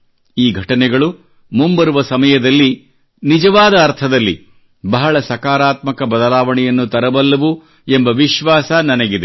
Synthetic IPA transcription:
iːɡʱɐʈɐnɛɡɐɭu | mumbɐɾuʋɐsɐmɐjɐd̪ɐlːi | nid͡ʒɐʋaːd̪ɐːɾt̪ʰɐd̪ɐlːḭ | bɐɦɐɭɐsɐkaːɾaːt̪mɐkɐbɐd̪ɐlaːʋɐɳɛjɐnːut̪ɐɾɐbɐlːɐʋu | embɐʋiʃʋaːsɐnɐnɐɡid̪e

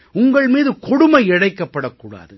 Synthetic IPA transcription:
ʊŋɡɐɭmiːðɯkɔɽʊmɐɪɪɽɐɪkːɐpːɐɽɐkːuːɽa̰ːðɯ

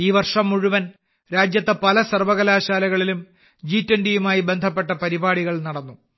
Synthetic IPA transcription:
iːʋɐrʂɐmːuɻuʋɐn | ɾaːd͡ʑjɐt̪ːɐpɐlɐsɐrʋɐɣɐlaːɕaːlɐɣɐɭilum | d͡ʑiːtːɐɳɖijumaːjibe̞nd̪ʱɐp̬ːe̞ʈːɐpɐɾibaːɽiɣɐɭnɐɽɐnːu

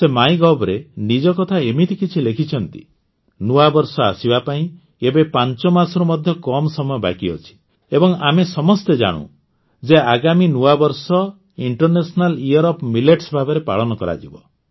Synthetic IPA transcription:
semaĩɡɔbɾenid͡ʒɔkɔt̪ʰaemit̪ikit͡ʃʰilekʰit͡ʃʰɔnt̪i̥̰ | nuwabɔɾsɔa̰sibapaĩ | ebepant͡ʃɔmasɔɾumɔd̪ʱjɔkɔmsɔmɔjɔba̰kiɔ̰t͡ʃʰi̥ | ebɔŋamesɔmɔst̪ed͡ʒa̰ɽ̃ṵ̃ | d͡ʒeaɡaminuwabɔɾsɔ | iɳʈɔɾnesɔnaliɔɾɔpmileʈsbʱabeɾepa̰ɭɔnɔkɔɾa̰d͡ʒibɔ

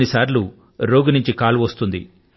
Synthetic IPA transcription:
nisaːɾlu | ɾoːɡunuɲt͡ʃikaːluʋɐst̪und̪ḭ

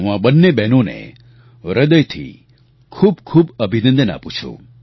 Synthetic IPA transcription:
ɦũãbənːebɛnonḛ | ɾəd̪əjt̪ʰḭ | kʰuːbkʰuːbəbʱinə̃nd̪əna̰pũt͡ʃʰṵ̃

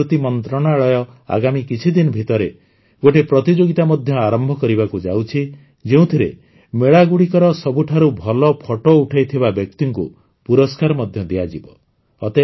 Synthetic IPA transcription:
ut̪imɔnt̪ɾɔɽ̃aɭɔjɔ | a̰ɡamikit͡ʃʰid̪inɔbʱit̪ɔɾe | ɡoʈepɾɔt̪id͡ʒoɡit̪amɔd̪ʱjɔaɾɔmbʱɔkɔɾibakud͡ʒawt͡ʃʰi | d͡ʒeũt̪ʰiɾḛ | meɭaɡuɽikɔɾɔsɔbuʈʰaɾubʱɔlɔpʰɔʈouʈʰajt̪ʰibabjɔk̚t̪iŋkṵ | puɾɔskaɾɔmɔd̪ʱjɔd̪ijad͡ʒibɔː | t̪e

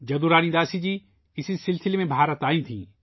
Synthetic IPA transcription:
d͡ʒɐd̪uɾaːnid̪aːsid͡ʒiː | ɪsisɪlsɪlemẽbʱaːɾət̪aːĩt̪ʰḭ̃ː

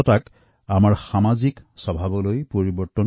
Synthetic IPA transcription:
ɔtak | amaɹxamaziksɔbʱabɔlojpoɹibɔɹtɔn

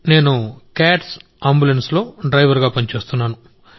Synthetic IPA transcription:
ne̞ːnukaːʈs | aːmbulenslo̞ːɖɾɐjʋɐɾɡaːpɐnit͡ʃe̞ːst̪unːaːnu

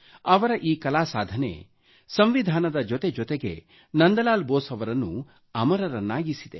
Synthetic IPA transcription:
ɐʋɐɾɐʔiːkɐlaːsaːd̪ʱɐnḛ | sɐmʋid̪ʱaːnɐd̪ɐd͡ʒɔt̪ed͡ʒɔt̪eɡe̞̰ | nɐnd̪ɐlaːlboːsɐʋɐɾɐnːu | ɐmɐɾɐɾɐnːaːɡisid̪e

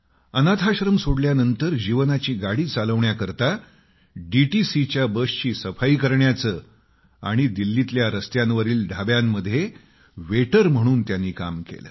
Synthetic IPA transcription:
ənat̪ʰaɕɾəmsoɽljanənt̪əɾd͡ʑiʋnat͡ɕiːɡaɽiːt͡saləʋɳjakəɾt̪a | ɖiʈisit͡ɕjabəɕt͡ɕiːsəfaiːkəɾɳjat͡səː | a̰ɽ̃id̪ilːit̪ljaɾəst̪janʋəɾiːlɖʱabjamːəd̪ʱːje | ʋeʈəɾm̤əɽ̃uːnt̪janːiːkamkḛlə̰ː

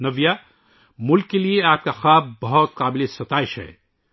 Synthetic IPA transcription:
nɐʋja | mʊlkːelieaːp̚kaxaːb̚bɐɦɔt̪̚qaːbɪlesɐt̪aːɪʃɦɛ̰ː

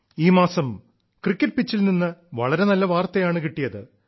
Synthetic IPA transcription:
iːmaːsɐm | krikʲːɐʈ̚pit͡ɕːilninːɨʋɐ̰ɭɐɾe̞nɐlːɐʋaːrt̪ɐjaːɳɨkiʈːijɐðɨ

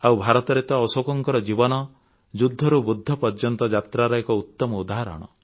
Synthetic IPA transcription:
awbʱaɾɔt̪ɔɾet̪ɔːsokɔŋkɔɾɔd͡ʒibɔnɔ | d͡ʒud̪ʱːɔɾubud̪ʱːɔpɔɾd͡ʒɔnt̪ɔd͡ʒat̪ɾaɾɔekɔut̪ːɔmɔud̪aɦaɾɔ̰ɽ̃ɔ̰

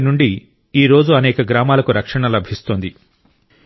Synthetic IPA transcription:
nuɳɖi | iːɾo̞ːd͡ʒuɐnɛːkɐɡɾaːmaːlɐkuɾɐkʂɐɳɐlɐbʱist̪oːnd̪i

